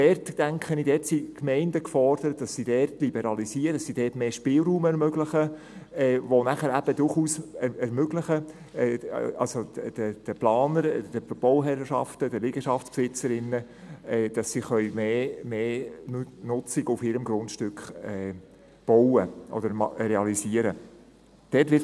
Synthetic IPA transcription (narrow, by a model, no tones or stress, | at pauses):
d̥ɛrtd̥æŋkχənidɛtsikmɛɪndəkfɔrd̥əɾətd̥ɑsːidɛrtlibɛɾɑlisiːɾəd̥ɑssid̥ɛːtmeːʃpɪːlɾuːmɛɾmøɡlɪχə | ɛːʋonæχəɾæb̥əd̥ʊɾχuːsɛɛɾmøɡlɪχə | ɛːɑ̰lsod̥əd̥əplɑːnəɾd̥əb̥ɔwɦɛɾʃɑ̰ftəd̥əliɡəʃɑft͡sspsɪt͡səɾɪnːə | ɛːd̥ɑsːiχœʏmeːmeː | nʊt͡sɪɡʊfɪɾəmɡɾʊndʃtʏkχɛː | b̥ɔwəʔɔ̰d̥əɾrɛɑlisiːəɾə | d̥ɛtʋɪ